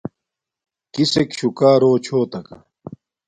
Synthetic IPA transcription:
kisekɕukaːɾoːt͡ɕʰoːt̪ɐkɐ̰

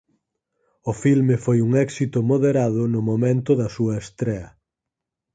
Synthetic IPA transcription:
ʊfilmefojuŋɛksit̪ʊmoðeɾaðʊnʊmomẽnt̪ʊðɐsuɐest̪ɾɛɐ

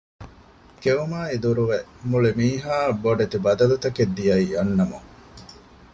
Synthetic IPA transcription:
keumaːid̪uɾuʋemuɭimiːɦaːbːoɖet̪ibɐd̪ɐlut̪ɐked̪ːijɐijɐnːɐmuŋ

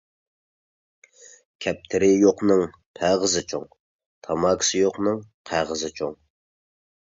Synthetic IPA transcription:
kʲʰɛp̚t̪ʰɪɾɪjoqnɨŋ | pʰæʁəzɪt͡ʃʰo̰ŋ | t̪ʰɑmɑkʰsɨjoqnɨŋqʰæʁəzɪt͡ʃʰoŋ

